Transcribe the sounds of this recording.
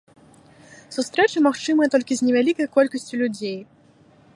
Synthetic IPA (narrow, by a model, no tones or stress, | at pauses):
sust̪ɾɛt͡ʂɨmaxt͡ʂɨmɨjɐt̪ɔlʲkʲizʲnʲɛvʲalʲikɐjkɔlʲkɐsʲt͡sʲulʲud͡zʲej